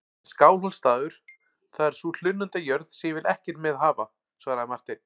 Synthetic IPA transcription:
skaːwlɔlst̪aːðʏɾ̥ | θaðɛɾ̥sul̥ʏnːʏnt̪ajœɾð̥sɛjɛvɪlɛhcɛɾmɛðɦaːva | svaɣɾamar̥t̪ɪn̥

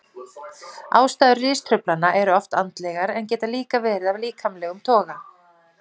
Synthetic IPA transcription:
aːwst̪aːðʏrːɪːst̪ʰɾʏplanːaʔɛɾʏɔft̪ant̪lɛɣaɾɛncɛːt̪aliːkavɛːɾɪðavliːkʰamlɛːɣʏmt̪ʰɔːɣa

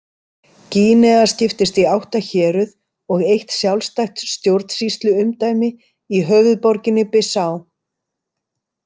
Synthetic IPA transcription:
ciːnɛɣascɪft̪ɪst̪iawht̪açɛːɾʏð | ɔɣejht̪sjawlst̪ajxt̪sst̪jowɾt̪n̥sist̪lʏʏmt̪aːjmɪ | iɦœːvʏðpɔɾcɪnːɪpɪsaːw

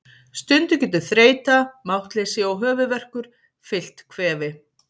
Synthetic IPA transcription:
st̪ʏnt̪ʏcɛːt̪ʏθɾeːjt̪amawht̪lejsɪɔwɦœːvʏvɛr̥kʏɾ̥ | fɪl̥t̪kʰvɛːvɪ

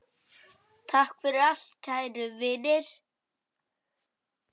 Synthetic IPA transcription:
t̪ʰahkfɪɾɪɾal̥t̪cʰaːjɾʏvɪːnɪɾ̥

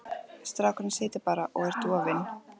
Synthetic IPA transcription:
st̪ɾaːkɾʏnseːjt̪ɪɾpaːɾaʔɔɣɛɾ̥t̪uːavɪnː

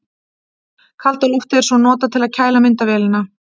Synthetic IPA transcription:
kʰalt̪aɾuwft̪ɛɾsɔnɔːt̪at̪ʰɪlaðcʰaːjlamɪnt̪avɛːlɪna

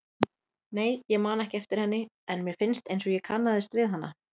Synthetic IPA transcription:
neːjjɛɣmaːnaɛhcɪɛft̪ɪɾ̥hɛnːɪ | ɛnmjɛɾ̥fɪnst̪ejnsɔɣjɛkʰanːaðɪst̪vɪðɦanːa̰

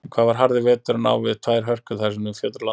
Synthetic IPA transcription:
kʰvaːvaɾ̥ɦaɾðɪvɛːt̪ʏɾna̰wvɪðt̪ʰvaːjɾ̥ɦœr̥kʏθasɪnʏmfjœːt̪ɾla

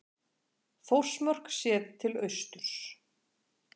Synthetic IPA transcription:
fowsmœr̥ksjɛːðt̪ʰɪlœɥst̪ʏɾ̥s

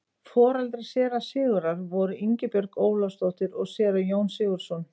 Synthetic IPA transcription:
fɔːɾalt̪ɾasjɛːɾasɪːɣʏɾaɾvɔɾʏiɲcɪpœɾkoːwlawst̪owht̪ɪɾɔɣsɛːɾajoːwnsɪːɣʏɾ̥sɔn

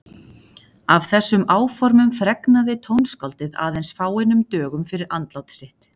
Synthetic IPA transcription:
av̥θɛsːʏmaːwfɔɾmʏmfɾɛknaðɪt̪ʰownskalt̪ɪða̰ːðejnsfaːwɪnːʏmt̪œːɣʏmfɪɾɪɾʔant̪lawt̪ɪ̥sɪht̪

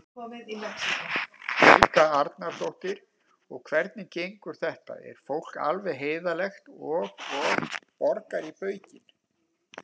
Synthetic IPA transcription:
kɔvɪðɪlɛsiafœlkaaɾt̪naɾ̥t̪owht̪ɪɾ̥ | ɔɣkʰvɛɾt̪̚nɪcejŋkʏɾ̥θɛht̪a̰ʔɛ̰ɾ̥fowl̥ka̰lvɛðɦeːjðalɛxt̪ɔɣɔɣpɔɾkaɾipœːɥcɪn

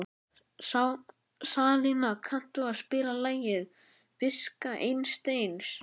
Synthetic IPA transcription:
saw | saːlinakʰan̥t̪ʏaðspɪːɾalaːjɪð | fɪskaʔejnst̪ejns

